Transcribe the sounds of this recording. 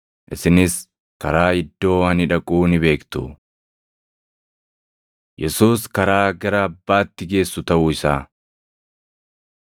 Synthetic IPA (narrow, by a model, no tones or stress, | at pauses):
ʔɪsɪnɪs | kɐɾaːɪd̪ːo̞ːɐnɪᶑɐkʼuːnɪbe̞ːkt̪ʊ̰ | jɛsuːskɐɾaːɡɐɾɐːbːaːt̪ːɪɡe̞ːsːʊt̪ɐʔʊːɪsaː